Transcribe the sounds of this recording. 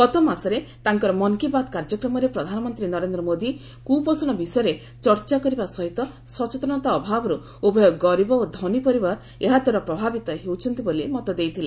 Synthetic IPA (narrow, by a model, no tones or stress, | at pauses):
kɔt̪ɔmasɔɾet̪aŋkɔɾɔmɔŋkibad̪kaɾd͡ʒɔkɾɔmɔɾepɾɔd̪ʱanɔmɔnt̪ɾinɔɾend̪ɾɔmod̪i | kupɔsɔɽ̃ɔbisɔjɔɾe | t͡ʃɔɾt͡ʃakɔɾibasɔɦit̪ɔ | sɔt͡ʃet̪ɔɽ̃ɔt̪aɔbʱabɔɾu | ubʱɔjɔɡɔɾibɔod̪ʱɔnipɔɾibaɾ | eɦad̪ʱwaɾɔpɾɔbʱabit̪aɦewt͡ʃʰɔnt̪ibolimɔt̪ɔd̪ejt̪ʰile